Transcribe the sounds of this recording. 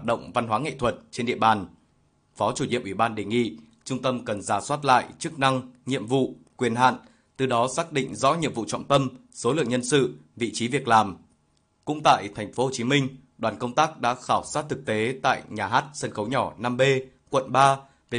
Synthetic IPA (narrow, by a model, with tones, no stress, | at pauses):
a˨˩t̚ɗə̰˧˨wŋ͡mva˧nɦwaː˨˦ŋḛ˧˨t̪ʰwə˨˩t̚t͡ɕe˧nɗḭ˧˨əɓaː˨˩n | fɔ˨˦t͡ɕu˧˩ɲḭ˧˨əmʔwi˧˩ɓaː˧nɗe˨˩ŋḭ˧˨ | t͡ɕʊ˧ŋ͡mt̪ə˧mkə˨˩nzaː˨˩swaː˦˥t̚la̰ː˧˨jt͡ɕɨ˦˥k̚na˧ŋɲḭ˧˨əmvṵ˧˨kwi˨˩ənɦa̰ː˧˨n | t̪ɨ˨˩ɗɔ˨˦saː˦˥k̚ɗḭ˧˨ŋ̟zɔ̰˧˥ɲḭ˧˨əmvṵ˧˨t͡ɕɔ̰˧˨wŋ͡mt̪ə˧mso˨˦lɨ̰˧˨əŋɲə˧nsɨ̰˧˨vḭ˧˨t͡ɕi˨˦vi˨˩ək̚laː˨˩m | kʊ̰˧˥ŋ͡mt̪a̰ː˧˨jt̪ʰɛ˨˩jŋ̟fo˨˦ho˨˩t͡ɕi˨˦mï˧ŋ̟ | ɗwaː˨˩nkə˧wŋ͡mt̪aː˦˥k̚ɗa̰ː˧˥xaː˧˩wsaː˦˥t̚t̪ʰɨ˨˩k̚t̪e˨˦t̪a̰ː˧˨jɲaː˨˩ɦaː˦˥t̚sə˧nxə˨˦wɲɔ˧˩naː˧mɓe˧ | kwə̰˧˨nɓaː˧ | ve˨˩